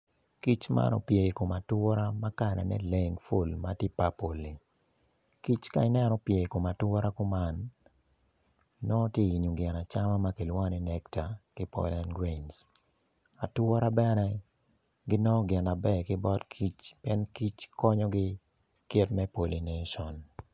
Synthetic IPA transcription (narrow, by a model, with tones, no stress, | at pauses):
ki˦t͡ʃma̰˦nɔ̰˨pje˨ko˨ma˨twɔ˦ɾa˦ma˦ka˦nɛ̰˨nɛ̰˦le˦ŋfu˦˨lma˦te˦pa˦po˨lːi˨ | ki˦t͡ʃka̰˦ɪ˦nɛ˦nɔ˨pje˨ko˨ma˨twɔ˦ɾa˦ko˦ma˦n | ɔ˦tje˦i˨ɲu˨ɡɛ˨na˨t͡ʃa˦ma˦ma˦ki˨lwɔ˦ni˦nɛ˦kta˨kɪ˦pɔ̰la˦nɡɾens | a˨twɔ˦ɾa˦bɛ˦nɛ˦ | ɡɪ˦nɔ˦ɡɪ˨na˨bɛ˦kɪ˦bɔ˦tkʰi˦t͡ʃpjɛ˦nki˦t͡ʃkɔ˦ɲɔ˦ɡɪ˦ | kɪ˦tmɛ˦po˨li˨nɛ˦ʃɔ˨n